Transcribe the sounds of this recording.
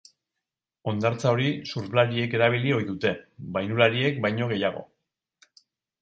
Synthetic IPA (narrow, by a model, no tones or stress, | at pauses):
o̞nd̪aɾt͡sao̞ɾisuɾβlaɾie̞ke̞ɾaβ̞ilio̞jðut̪e̞bajnulaɾie̞k̚bajɲo̞ɣ̞e̞jaɣo̞̰